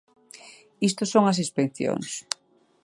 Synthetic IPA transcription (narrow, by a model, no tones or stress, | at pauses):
ist̪osoŋɐsispekθjo̰ŋs